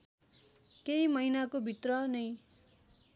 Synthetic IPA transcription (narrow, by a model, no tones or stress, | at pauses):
kejmʌjnakobʱit̪rʌnʌj